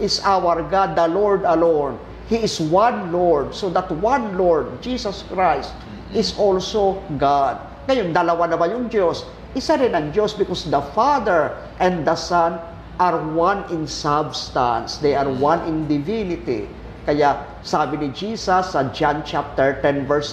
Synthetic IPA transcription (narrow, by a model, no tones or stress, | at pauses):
ʔɪsawəɹɡad̪ːɐloɹd̪ɐlon | hiɪswãnloɹd̪sod̪ɐt̪wãnloɹd̪̚d͡ʒisɐskɹajst̪ | ʔɪsʔolsoɡad̪̚ | ŋɐjond̪ɐlɐwanɐbajʊŋd͡ʒos | ʔɪsaɾɪnɐŋd͡ʒosbɪkɔsd̪ɐfad̪ɛɹ | ʔɛ̃nd̪d̪ɐsan | ʔaɹwãnɪ̃nsabst̪ã̰nsd̪ejaɹwãnɪ̃nd̪ɪvinɪt̪ḭ | kɐjaʔ | saːbɪnɪd͡ʒisɐsːɐd͡ʒant͡ʃap̚t̪ɛɹt̪ɛ̃nvɛɹs